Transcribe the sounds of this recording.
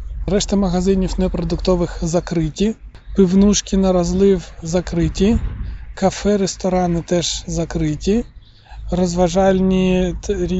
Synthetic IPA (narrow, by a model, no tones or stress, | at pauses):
ɾɛʃt̪ɐmɐɣɐzɪnʲiwnepɾɔd̪ʊkt̪ɔʋɪxzɐkɾɪtʲi | pɪwnuʃkʲinɐɾɐzlˠɪwzɐkɾɪtʲikɐfɛɾest̪ɔɾɑnɪt̪ɛʒ̥zɐkɾɪtʲi | rɔzʋɐʒɑlʲnʲiɾʲi